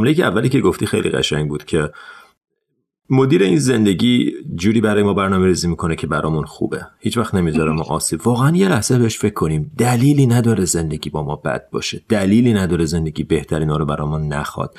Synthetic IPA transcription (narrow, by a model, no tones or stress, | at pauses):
mlejiːcʰeævːæliːcʰe̞ɡoft̪iːxḛjlʔḭɣæ̰ʃæ̰ŋɟbuːd̪̥cʰe̞ | mo̞d̪iːɾeinze̞nd̪e̞ɟiːd͡ʒuːɾiːbæɾɒːjemɒːbæɾnɒːmeɾiːziːmiːkʰo̞necʰebæɾɒːmunxṵːbe̞hiːt͡ʃvæxt̪ne̞mizɒɾæmunʔɒːsiːbvɒːɣeænjelæhsebeheʃfecʰːo̞niːmd̪̥æliːliːnæd̪ɒːɾeze̞nd̪e̞ɟʲiːbɒːmɒːbæ̰d̪̚bɒ̰ːʃed̪̥æliːliːnæd̪ɒːɾeze̞nd̪e̞ɟʲiːbe̞ht̪ʰæɾiːnɒːɾobæɾɒ̰ːjmuːnnːæ̰xɒ̰d̪̥